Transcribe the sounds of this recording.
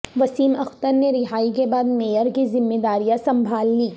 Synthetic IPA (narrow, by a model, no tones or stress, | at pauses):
ʋɐsiːmɐxt̪əɾneɾɪɦaːik̬ebaːd̪meːjəɾkizɪmːed̪aːɾijasɐ̃mbʱaːlːiː